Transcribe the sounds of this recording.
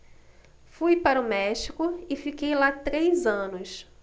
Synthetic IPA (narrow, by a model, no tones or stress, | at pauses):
fujpaɾʊmɛʃikʊɪfikejlat̪ɾejzɐ̃nʊs